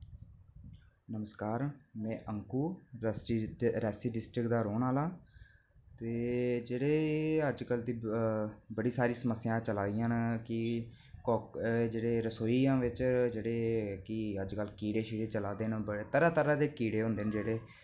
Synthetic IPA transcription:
nəməskaːɾmɛ̃ːʔəŋkuː | ɾɛːsiːɖɪsʈɾɪkd̪aːɾoːnaːlãː | t̪eːd͡ʒeːɽeːəd͡ʒkəld̪iː | bəɽiːsaːɾĩːsəməsːɪjãːt͡ʃəlaːd̪ɪjãːnkɪ | kɔːd͡ʒeːɽeːɾəsoːiːãːʋɪt͡ʃd͡ʒeːɽeːkɪəd͡ʒkəlkiːɽeːʃiːɽeːt͡ʃəlaːd̪eːñːbət̪əɾaːt̪əɾaːd̪eːkiːɽeːɦõːnd̪eːnd͡ʒeːɽeː

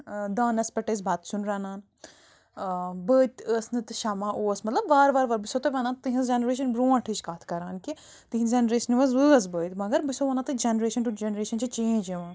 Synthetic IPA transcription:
d̪ãːnɐspɐʈəs̬baːt̪sunɾaːnãːn | bəːt̪əsnɨt̪ʃamãːʔoːsmɐt̪lɐbʋaːɾʋaːɾʋaːɾbisot̪ɐʋaːnãːt̪ɨɦɐ̃zd͡ʒenɾeːʃ̬ɐnbɾoːãʈʰit͡ʃkaːt̪ʰkɐɾaːnki | t̪ɨɦĩd͡ʒenɾeːʃɐnʋɐzʋɨɐzbəːt̪mɐɡɐɾbisoʋɐːnãt̪ɨd͡ʒenɾeːʃɐnʈud͡ʒenɾeːʃɐnt͡ʃʰit͡ʃẽːd͡ʒeʋãːn

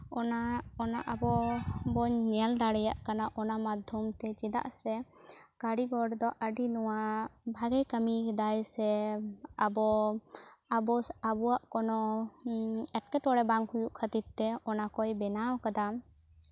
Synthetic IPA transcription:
ɔnaɔnaʔabɔbɔɲnɛld̪aɽɛja̰ʔkanaʔɔnamad̪ʱɔmt̪ɛt͡ʃɛd̪a̰ʔsɛkaɽiɡɔɽd̪ɔʔəɖinɔwabʱaɡɛjkəmid̪ajsɛ | abɔ | abɔabɔwaʔkɔnɔ | ɛʈ̚kɛʈɔɽɛbaŋhujuʔkʰət̪it̪̚t̪ɛɔnakɔjbɛnawkad̪a

